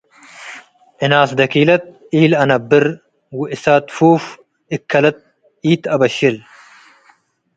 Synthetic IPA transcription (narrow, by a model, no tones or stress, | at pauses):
ʔɪnaːsd̪ɐkiːlɐt̪̚ | iːlɐnɐbːɪɾ | wɪʔɪsaːt̪fuːf | ɪkʰːɐlɐt̪̚ | iːt̪ɐbɐɕil